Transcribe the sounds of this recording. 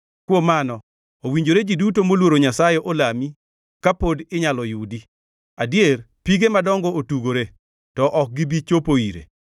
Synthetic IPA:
kwomanɔ | owiɲd͡ʒoɾed͡ʒidutomolwoɾoɲasajɛʔolami | kapodɪɲalɔjudi | adjer | piɡemadɔŋɡɔotuɡoɾe | tɔʔɔk̚ɡɪbit͡ʃopoiɾḛ

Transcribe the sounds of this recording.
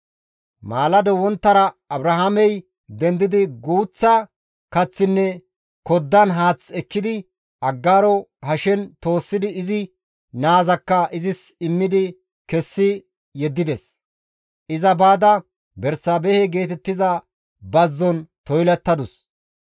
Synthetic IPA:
maːlɐd̪ɔwɔnt̪ːɐɾɐɐbɾɐɦamɛj | d̪ɛnd̪ɪd̪ɪɡuːt͡sːɐ | kɐt͡sːɪnːɛ | kɔd̪ːɐnɦaːt͡sɛkːɪd̪ɪ | ɐɡːaːɾɔhɐʃɛnt̪o̞ːsːɪd̪ɪːzɪ | naːzɐkːɐɪzɪsɪmːɪd̪ɪ | kɛsːɪ | jɛd̪ːɪd̪ɛs | ʔɪzɐbaːd̪ɐ | bɛɾsaːbɛhɛɡe̞ːt̪ɛt̪ːɪzɐ | bɐzːɔnt̪ɔjlɛt̪ːɐd̪ʊs

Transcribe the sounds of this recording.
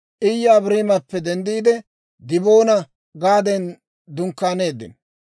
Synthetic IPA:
ʔɪjːɐːbɾeːmɐpːɛd̪ɛnd̪iːd̪ɛ | d̪ɪbo̞ːnɐ | ɡaːd̪ɛn | d̪ʊŋkːaːne̞ːd̪ːɪ̰n

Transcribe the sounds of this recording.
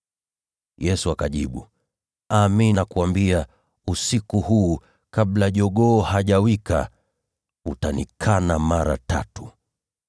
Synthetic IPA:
jɛsuakaʄiɓu | aminakuambia | usikuhuː | kaɓlaʄɔɠɔːhaʄawika̰ | utanḭkʰanamaɾa̰ta̰tu̥

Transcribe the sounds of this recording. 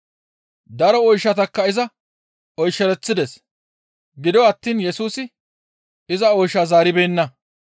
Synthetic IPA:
d̪ɐɾɔɔjʃːɐt̪ɐkːɐɪzɐ | ɔjʃːɛɾɛt͡sːɪd̪ɛs | ɡɪd̪ɔɐt̪ːiːnjɛsuːsɪ | ɪzɐɔjʃːaːzaːɾɪbeːnːɐ

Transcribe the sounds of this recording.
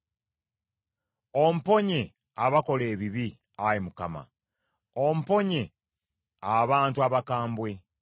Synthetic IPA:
om̩po̞ɲe̞ | aβako̞le̞ːβiβi | ajimukama̰ | om̩po̞ɲe̞ | aβaːntuaβakaːmbwe̞

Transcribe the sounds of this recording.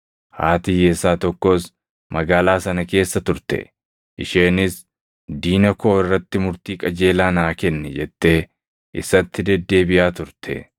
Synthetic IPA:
ha̰ːt̪ɪjesaːt̪ɔkːos | mɐɡaːlaːsɐnɐke̞ːsːɐt̪ʊɾt̪ɛ̰ | ʔɪʃeːnɪs | d̪iːnɐkʰo̞ːɪrːɐt̪ːɪmʊɾt̪iːkʼɐd͡ʒe̞ːlaːnaːkɛnːɛd͡ʒɛt̪ːeː | ʔɪ̰sɐt̪ːɪd̪ɛd̪ːe̞ːbɪjaːt̪ʊɾt̪ʰɛ̰

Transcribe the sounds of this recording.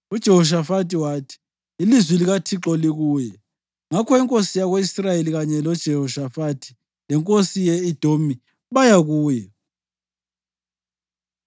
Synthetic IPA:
ud̥ʒ̥ʱɛɦɔʃ̬afatʰiwaːtʰi̥ | ilizwiliɣatʰiǁɔliɣuːjɛ | ŋakʰɔiŋkʼosijaɣweisrajeliɣaɲɛlɔd̥ʒ̥ʱɛhɔʃafatʰi̥ | lɛŋkʼosijɛid̥ʱomi | βajaɣuːjɛ

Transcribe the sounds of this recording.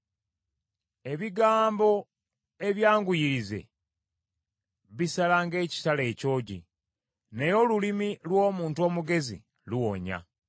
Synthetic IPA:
e̞βiɡaːmbo̞ | e̞βjaːŋɡujiɾize̞̰ | βisalaŋɡe̞ːci̥tale̞ːco̞ːɟḭ | nejo̞lulimilwo̞ːmuːntuo̞ːmuɡe̞zḭ | luwo̞ɲa̰

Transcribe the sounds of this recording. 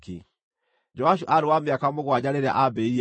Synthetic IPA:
kḭ | d͡ʒɔaʃuʔaɾewameakamoɣwad͡ʑaɾeɾa̰ʔabɛi

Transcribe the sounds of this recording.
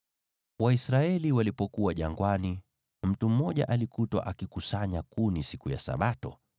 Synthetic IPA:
waisɾaɛliwalipɔkuwaʄaŋɡwani | m̩tum̩mɔʄa̰ʔalikutwa̰ʔakikusaɲakunisikuja̰sa̰ɓatɔ

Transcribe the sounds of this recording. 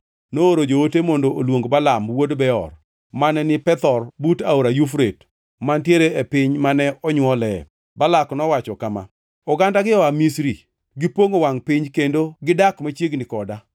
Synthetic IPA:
nooɾod͡ʒootemɔndoolwoŋɡbalamwodbɛɔ̰r | manɛnɪpɛt̪ɔrbutaoɾajufɾet | mantjeɾeepɪɲmanɛɔɲwɔlɛ | balaknɔwat͡ʃɔkama̰ | ɔɡandaɡɪɔamisɾi | ɡɪpoŋowaŋpɪɲkendoɡɪdakmat͡ʃjeɡnɪkɔda

